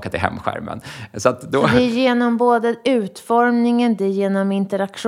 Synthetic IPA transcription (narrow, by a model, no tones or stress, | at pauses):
kat̪ɪɦɛ̰mːɧæ̰ɾmə̰nsɔat̪d̪ɔd̪ɛjeːnɔmboːd̪əʉ̟ːt̪fɔɾmnɪŋənd̪ɛjeːnɔmɪnt̪əɾakʂ